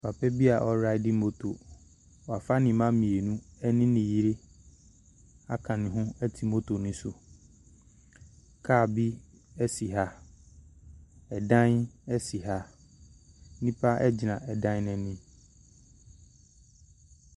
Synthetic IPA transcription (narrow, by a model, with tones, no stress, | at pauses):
pʰa˨pʰɛ˦bi˦a˨ʔɔ˦ɾa˦ɪ˦di˦mo˦tʰo˨ | wɔ˨a˨fa˦nɪ̃˨˦mã˦mĩ˨e˨nũ˦ɛ˦nɪ̃˦nɪ̃˨ji˦ɾi˦ | a˦kʰã˨nɪ̃˨ɦʊ̃˦ɛ˦tʰi˨mo˦tʰo˨nʊ̃˦sʊ˨ | kʰaː˦˨bi˦ | ɛ˦si˨ɦa˦ | ɛ˨dã˦nɛ˦si˨ɦa˦ | nĩ˦pʰa˦ʔɛ˦d͡ʑi˨nã˨ʔɛ˨dã˦n˦nɛ̃˨nɪ̃˦